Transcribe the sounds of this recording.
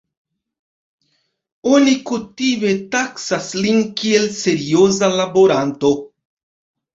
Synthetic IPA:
onikutime̞taksaslinkie̞lse̞ɾio̞zalabo̞ɾanto̞

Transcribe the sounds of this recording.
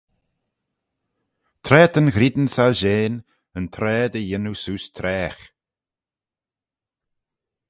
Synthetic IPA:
t̪ʰɾɛːt̪ʰənɣɾid̪n̩salʒeːn | ənpʰɾɛːd̪əjɪnusuːst̪ʰɾɛːx

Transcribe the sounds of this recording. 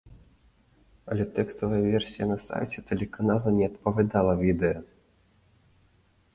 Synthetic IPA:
ɐlʲɛt̪ɛkst̪ɐvɐjɐvʲɛrsʲijɐnɐsa̰jt͡sʲɛt̪ɛlʲɛkanalˠɐnʲɛɐt̪̚pɐvʲad̪alˠɐvʲid̪ɛjɐ

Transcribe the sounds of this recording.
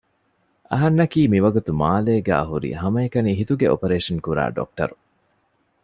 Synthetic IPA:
ʔɐɦɐnːɐkiːmiʋɐɡut̪umaːleːɡæ̰ːɦuɾḭɦɐmɐekɐniːɦit̪uɡeo̰peɾeːʂɐnkuɾa̰ːɖo̰k̚ʈɐ̰ɾu

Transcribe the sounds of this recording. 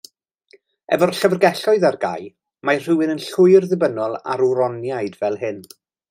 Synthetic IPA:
ɛ̰vɔrɬəvrɡɛɬɔɨðarɡa̰j | mar̥ɪwɪnənɬʊɨrðɨbənɔlˠa̰ɾuɾɔnjajdvɛlˠɦɨn

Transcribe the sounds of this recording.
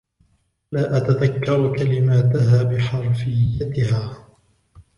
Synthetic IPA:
laːʔat̪aðakːɑɾˤkalɪmaːt̪ahaːbɪħɑɾˤfɪjːat̪ɪhaː

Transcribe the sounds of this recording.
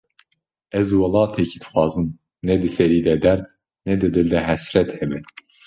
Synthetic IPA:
ɛzwɑlˠɑːt̪ʰɛcʰid̪ɨ̥xʷɑːzɨm | nɛd̪ɨsɛɾiːd̪ɛd̪ɛɾd̪ | nɛd̪ɨd̪ɨld̪ɛɦɛsɾɛt̪hɛbɛ

